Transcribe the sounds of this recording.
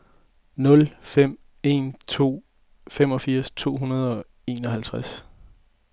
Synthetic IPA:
nɔ̽lfem̰ | e̝̰ːnt͡sʰo̝̰ː | femɒ̽fiɐ̰st͡sʰo̝̰ːɦunɐð̞ˠɒ̽ | e̝ːnɒ̽ɦælt͡sʰʁas

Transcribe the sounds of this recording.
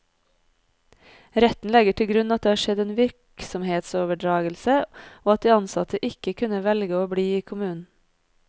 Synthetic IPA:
ɾɛt̪n̩lɛɡəʈʰɪlɡɾʉnɑt̪̚d̪eːɑːʃɛd̪eːnʋɪɾksɔmheːt̪soːʋəɖɹɑːɡəlsəoːɑt̪̚d̪iːɑnsɑt̪ʰəʔɪkəkʰʉnəʋɛlɡəoːbɽiːiːkʰʊmʉːn̩

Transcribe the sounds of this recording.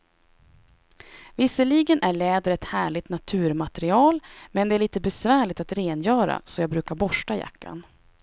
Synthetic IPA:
vɪsːəɭiːɡənʔæɭɛːd̪əɾɛt̪hæːɭɪt̪nat̪ʰʉ̟ːɾmat̪ɛɾɪɑːlmɛnd̪ɛæɭiːt̪əbɛsvæːɭɪt̪at̪ɾeːnjœːɾa̰sɔjɑːɡ̚bɾʉ̟ːkaɾbɔʂʈaja̰kʰːa̰n

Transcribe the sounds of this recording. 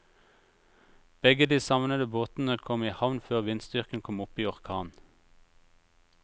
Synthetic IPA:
b̥ɛɡəd̪iːsɑʋnəd̪əboːt̪n̩əkʰɔmiːhɑʋnføːʁʋɪnsd̪ʏʁkən̩kʰɔmʊpiːɔʁkʰɑːn

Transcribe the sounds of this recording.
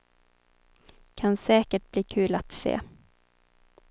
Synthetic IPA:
kʰansɛːkəʈ̚b̥liːkʰʉ̟ːlat̪sḛː

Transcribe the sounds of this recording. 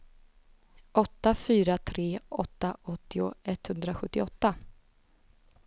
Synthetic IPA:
ʔɔt̪ːafyːɾat̪ʰɾeːʔɔt̪ːaʔɔt̪ːɪʊɛt̪hɵnd̪ɾaɧɵt̪ːɪɔt̪ːa

